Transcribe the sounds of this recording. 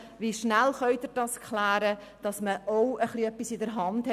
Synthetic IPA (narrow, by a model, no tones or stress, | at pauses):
ʋiʃnælχœʏdɪːɾd̥ɑskχlæːɾə | d̥ɑsməʔoʊəχliœpːisɪdəɾɦɑnd̥hɛ